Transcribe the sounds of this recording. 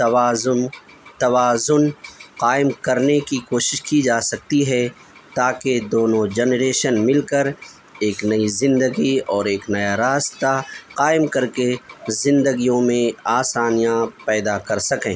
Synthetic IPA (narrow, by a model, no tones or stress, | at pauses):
t̪ɐʋaːʊn | t̪ɐʋaːzʊnqaːɪmkɐɾnekikoːʃɪʃkid͡ʒaːsɐk̚t̪iɦɛ | t̪aːked̪oːnõd͡ʒɛnɾeːʃənmɪlkəɾ | eːknɐizɪ̃nd̪əɡiɔːɾeːknɐjaɾaːst̪aqaːɪmkɐɾkezɪ̃nd̪əɡijõmẽaːsaːnijãpɛːd̪akɐɾsɐkẽː